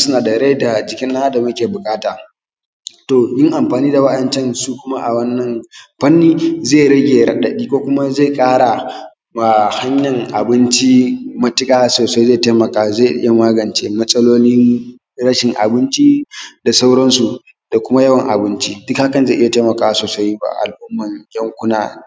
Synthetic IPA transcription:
sʊ˦naː˨dɐ˨ɽe˦da˨d͡ʒɪ˨kʲɪ˦nːa˦da˨mʊ˦kʲeː˨bʊ˨kʼaː˦taː˨ | toː˨jɪ˦ŋʔa˨mɸaː˨niː˦da˨wɐ˦ɗɐ˨nt͡ʃɛ˦nsu˦kʷʊ˦ma˦ʔa̰˨wɐ˦nːɐ˨mɸɐ˦nːiː˦ze˦˨ɾɐ˦ɡʲeː˨ɾɐ˨ɗɐ˨ɗiː˦kʷoː˦kʷʊ˦ma˦ze˦˨kʼaː˦ɽa˨ | ma˨ha˦ɲjɐ˨ŋʔa˨bɪ˦nt͡ʃi˦mɐ˦tɪ˦kʼaː˦soː˨sa˦jzeː˦˨te˦mɐ˨kaː˦zeː˦˨ʔɪ̰˦ja˨maː˦ɡɐ˨nt͡ʃe˦mɐ˦sʼɐ˦loː˦nɪ˦ŋ | ɾɐ˦ʃɪ˨ŋʔa̰˨bɪ˦nt͡ʃi˦da˨sa˦wɽɐ˦nsu˨ | d̥a˨kʷʊ˦ma˦jɐ˦wɐ˨ŋʔa̰˨bɪ˦nt͡ʃi˦dɪ˦kha˦kɐ˨nze˦˨ʔɪ˦ja˨te˦mɐ˨kaː˦wa˦soː˨sa˦jba̰˦ʔa̰˨lʔʊ˦mːɐ˨ŋɡʲɐ˦ŋkʷʊ˦na̰ː˦

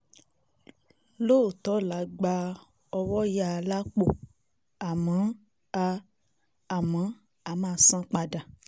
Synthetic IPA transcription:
lo˦˨tɔ˨˦la˨ɡ͡ba˧ | ɔ˧wɔ˦ja˦˨la˦k͡po˦ | a˨mã˨˦ | aː˧˨ | mã˨˦ | a˨˦mãː˦˨˦sã˦k͡pa˧da˨

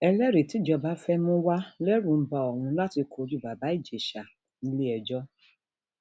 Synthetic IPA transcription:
ɛ˧lɛ˦ɾe˨ti˨˦d͡ʒɔ˧ba˨˦fɛ˦mũ˦wa˦lɛ˦ɾũ˨m̩˦ba˧˨ɔ˨wũ˧la˦ti˧kʰo˨˦d͡ʒu˦˨ba˨ba˨˦i˦˨d͡ʒe˨ʃa˨ | i˨˧le˦ɛ˨d͡ʒɔ˦

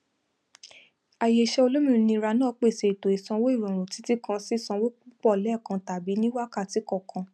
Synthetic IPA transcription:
a˨je˨ʃɛ˧o˧lo˦mĩ˧˨˧nĩ˧ɾa˧nãː˦˨˧k͡pe˦˨se˨i˨to˨e˨sã˧wo˦i˦˨ɾɔ̃˨ɾ̃ũ˨ti˨˦ti˦kã˧si˦˨sã˧wo˦k͡pu˦k͡pɔ˦˨lɛ˨˦˨kã˧ta˨bi˨˦nĩ˦wa˦ka˦˨ti˨˦kɔ˦˨kʰã˧

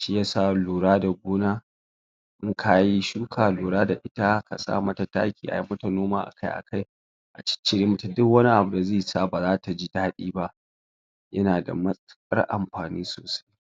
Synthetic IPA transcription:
ʃiː˦ja˦saː˦luː˨ɾaː˦da˨ɡʷoː˦naː˦ | ʔɪ˦ŋkʰa˨ji˦ʃuː˦kʰaː˨luː˨ɽaː˦da˨ʔɪ˦ta˦kʰa̰˨sʼa̰ː˦mɐ˦ta˨ta̰ː˦kʲiː˨ʔa̰˨ji˦mːɐ˦ta˨noː˦ma̰ː˦ʔa̰˨ka˦jʔa̰˨ka˦j | ʔa̰˨t͡ʃɪ̥˦t͡ʃːɪ˦ɾi˦m˦ta˨dʊ˦kwɐ˦ni˦ʔa˨bʊ˨da˨zeː˦˨jsaː˦baː˨zaː˦ta˨d͡ʒi˦daː˦ɗiː˦ba˦ʔ | jɐ˦naː˨da̰˨mɐ˦sʼkʼɐ̰˦rʔa̰˨mɸaː˨niː˦so̰ː˨sḁ˦j

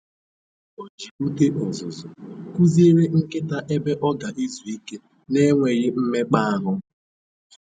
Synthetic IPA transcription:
o˦d͡ʒi˨ku˦te˦ʔɔ˨zʊ˨zʊ˨ku˦zi˦e˦ɾe˦ŋ̩˦kɪ˦ta˨ʔe˦be˦ʔɔ˦ɡa˨ʔi˦zu˨i˦ke˦ | ne˦ŋʷe˨ɾɪ˦m̩˦me˦k͡pa˦a˦ɦʊ˦

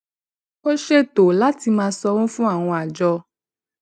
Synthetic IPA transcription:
o˦ʃe˦˨to˨la˨˦ti˧mãː˧sɔ˧wũ˦fũ˦a˦˨w̃ɔ̃˧a˨d͡ʒɔ˧

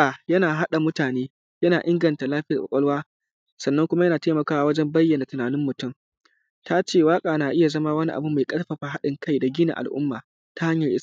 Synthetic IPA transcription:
aː˨jɐ˦naː˨ɦa˦ɗa˨mʊ˦taː˨neː˦ | jɐ˦naː˨ʔɪ˦ŋɡɐ˨nta˨laː˦ɸɪ˦jɐ˨kʷɔ̰˨kʷʼɔ˦lwaː˦ | sɐ˨nːɐ˦ŋkʷʊ˦ma˦jɐ˦naː˨teː˦mɐ˨kaː˦wa˦wɐ˦d͡ʒɛ˦mbɐ˦jːɐ˨na˨tʊ˨naː˨nɪ˦mːʊ˨tʊ˦m | tʰa˦t͡ʃeː˦˨waː˦kʼaː˨naː˨ʔɪ˦ja˨zɐ˦maː˦wɐ˦ni˦ʔa̰˨bu˦ma˨jkʼɐ˦lɸɐ˨ɸaː˨ɦa˦ɗɪ˨ŋkʰa˦jda˨ɡʲiː˦na̰˨ʔa̰˨lʔʊ̰˦mːa̰ː˨ | ta˦ha˦ɲjɐ˨ʔɪ˦s

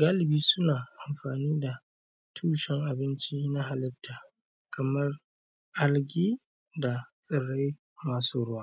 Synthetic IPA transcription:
ɡaː˦lɪ˨biː˦sʊ˦naː˨ʔa˨mɸaː˨niː˦da˨ | tʰuː˦ʃɛ˦ŋʔa˨bɪ˦nt͡ʃi˦na˦ɦa˨lɪ˦tʰːaː˨ | kʰɐ˨mɐ˦r | ʔa˦lɡʲiː˦ | da˨sʼɐ˨ɽa˦j | maː˨˦suː˦ɽʊ˦waː˦˨

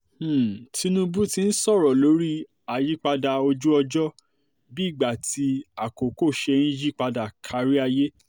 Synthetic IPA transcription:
tʰi˧˦nũ˦bu˦ti˧n̩˦sɔ˦˨ɾɔ˨lo˨˦ɾi˦ | a˨ji˦k͡pa˧da˧o˧d͡ʒu˦ɔ˧d͡ʒɔ˦ | bi˦˨ɡ͡ba˨ti˧˦a˨ko˨ko˦˨ʃɛ˧ñ̩˦d͡ʒi˦˨k͡pa˧da˨kʰa˧˨ɾi˦a˧je˦

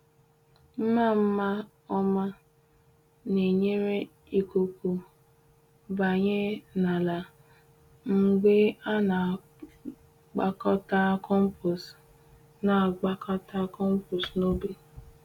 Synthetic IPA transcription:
n̩˦na˦˨m̩˦ma˦ | ɔ˦ma˦ | ne˨ɲe˦ɾe˦ | i˨ku˨ku˨ | ba˨ɲe˦na˨la˨ | ŋ͡m̩˨ɡ͡be˦a˦na˨ | ɡ͡ba˨kɔ˦ta˦kɔ˦m̩˦pɔ˨s | na˨ɡ͡ba˦ka˦ta˦kɔ˦m̩˦pɔ˨sno˦be˨

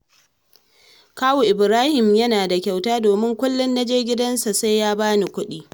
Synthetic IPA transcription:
kaː˦wuː˨ʔɪ˨bɾaː˦hɪ˨mjɐ˦naː˨da˨kʲa˨wtaː˦doː˨mɪ˦ŋkʷʊ˦lːʊ˦nːɐ˦d͡ʒeː˦ɡʲɪ˦dɐ˦nsa˨sa˦jjaː˦baː˦ni˨kʷʊ˦ɗiː˦

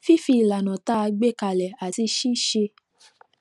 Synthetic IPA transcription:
fi˦fi˧˨la˨nã˨ta˦a˧ɡ͡be˦ka˧˨lɛ˨a˨ti˧ʃi˦ʃe˧

